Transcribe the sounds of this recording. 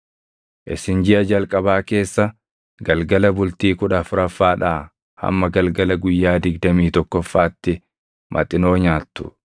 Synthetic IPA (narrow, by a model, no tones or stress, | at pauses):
ʔɪsɪnd͡ʒɪʔɐd͡ʒɐlkʼɐbaːke̞ːsːɐ | ɡɐlɡɐlɐbʊlt̪iːkʊᶑɐfʊɾɐfːaːᶑaː | hɐ̰mːɐɡɐlɡɐlɐɡʊjːaːd̪ɪɡd̪ɐmiːt̪ɔkːɔfːaːt̪ːɪ | mʔɐ̰t̪ʼːɪno̞ːɲaːt̪ːʊ̥̰